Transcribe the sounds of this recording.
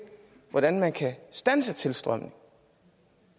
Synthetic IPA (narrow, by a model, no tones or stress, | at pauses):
ʋɒɾ̥ænmænkʰæsd̥ænsət͡sʰe̝lsd̥ʁɶm̰nɪŋ